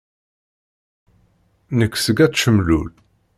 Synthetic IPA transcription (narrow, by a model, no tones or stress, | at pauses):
nəkːsəɡæʃəmlul